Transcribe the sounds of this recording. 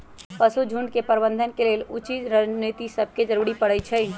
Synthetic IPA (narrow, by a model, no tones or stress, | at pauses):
pɐsud͡ʒʱuɳɖkepəɾbə̃nd̪ʱənkeleːlut͡ʃid͡ʒɾənit̪isɐb̚ʱked͡ʒəɾuːɽipɐɽət͡ʃʰɛ